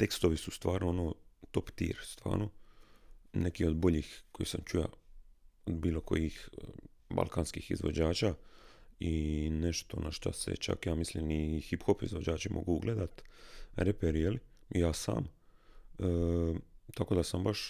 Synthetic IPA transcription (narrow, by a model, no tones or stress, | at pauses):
t̪e̞kst̪oʋisust̪ʋaːɾnoonot̪o̞pt̪ḭːɾst̪ʋa̰ːɾno | nekio̞d̪bo̞ʎixko̞jḭsamt͡ʃuja̰ | od̪biːlo̞ko̞̰jix | ba̰lˠkaːnskiːxḭzʋo̞̰d͡ʑaːt͡ʃaː | ine̞ʃt̪o̞̰naʃt̪a̰se̞̰t͡ʃa̰kjaːmislimixipxopizʋod͡ʑaːt͡ʃimʔo̰ɡuuɡlʔeːd̪at̪ɾepeɾjeliijaːsa̰ːm | ə | t̪akod̪asambaʃ